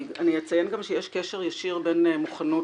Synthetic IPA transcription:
anijet͡sajenɡamʃejɛʃkeʃeʁjaʃiʁbenmuχano

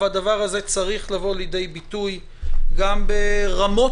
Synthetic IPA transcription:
vad̪avaʁaze̞t͡saʁiχlavo̞ljed̪e̞jbit̪uj | ɡambeʁamo̞

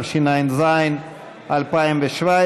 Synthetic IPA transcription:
ʃinajnzajn | ʔalpaimveʃva

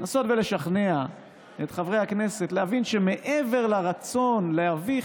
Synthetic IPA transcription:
naːso̞t̪be̞le̞ʃaχne̞a | et̪χavʁe̞jhakne̞se̞tleavinʃe̞me̞ʔeve̞ʁlaʁat͡so̞nleavi

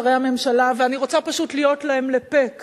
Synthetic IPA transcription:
ʁejhame̞mʃalaveaniʁo̞t͡sapaʃutlijo̞tlae̞mlepe̞k

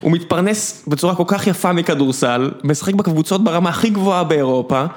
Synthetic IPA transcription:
ṵmit̪paʁnesbet͡suʁako̞lkaχjafamikaduʁsalmesḁχe̞k̚bekavut͡so̞t̪̚beʁamaːχiɡvo̞abe̞eʁo̞pa

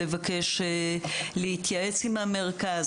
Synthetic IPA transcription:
evakeʃelehit̪jae̞t͡simhame̞ʁkaz

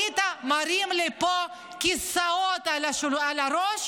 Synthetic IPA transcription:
it̪amaɾimlepɔ | kisaɔt̪alaʃualaɾɔʃ

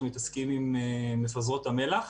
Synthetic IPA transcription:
mit̪askimimeːefazʁo̞t̪ame̞laχ

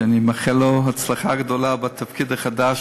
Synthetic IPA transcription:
animaχɛloɦat͡slaχaɡdolabat̪ʰafkid̪aχadaʃ

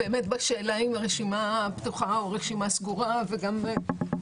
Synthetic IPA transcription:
beːmet̪baʃe̞ːlaimʁeʃimapt̪uχaoʁeʃimasɡuʁaveɡam

